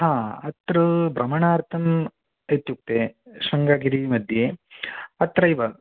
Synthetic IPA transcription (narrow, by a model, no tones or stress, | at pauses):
ɦãːɐt̪ɾɐbɾɐmɐɳaːɾt̪ʰɐm | et̪ːjuk̚t̪eʃɐŋɡaːɡiɾimɐd̪ʱje | ɐt̪ɾɐiʋɐ